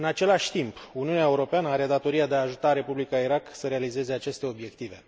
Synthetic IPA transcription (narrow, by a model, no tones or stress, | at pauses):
ɨnat͡ʃe̞laʃʲt̪impuniuneaeuɾo̞peanəaɾe̞d̪at̪o̞ɾijad̪eaːʒut̪aɾe̞publikaiɾaksəɾe̞alize̞ze̞at͡ʃe̞st̪e̞o̞bje̞kt̪ive̞